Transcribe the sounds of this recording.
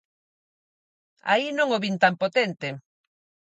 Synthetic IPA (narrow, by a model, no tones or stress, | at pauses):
a̰inõŋoβint̪ampot̪ent̪e